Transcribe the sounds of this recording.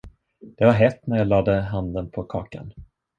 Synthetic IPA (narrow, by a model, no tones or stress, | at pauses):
d̪̥ɛvaɾɦɛt̪ːnæɾjaːlɑːd̪əɦand̪ənpʰɔkʰɑ̰ːka̰n